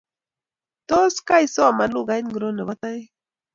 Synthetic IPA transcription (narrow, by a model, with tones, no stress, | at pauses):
t̪o˦ska˦jso˦a˨ma˨lu˦ɡa˨i˦nɡɾo˦ne˨wa˦t̪a˦j